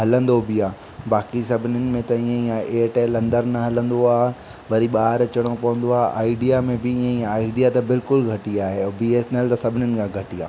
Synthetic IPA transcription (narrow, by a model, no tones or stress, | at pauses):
ɦɐlə̃nd̪obɪaː | baːkisɐbʱɪnɪnɪ̆mẽt̪ɐĩːẽiːãeːʈeːlɐ̃nd̪əɾnɐɦɐlə̃nd̪oaːɦ | ʋɐɾiɓaːɦɪɾt͡ɕɐɽ̃opɐʋə̃nd̪oaːɦeʔaːɪɖijamẽbɪĩãiːãaːɪɖijat̪ɐbɪlkʊlɡʱɐʈiaːɦebieːsnelt̪ɐsɐbʱɪnənɪ̆kʰãːɡʱɐʈiaː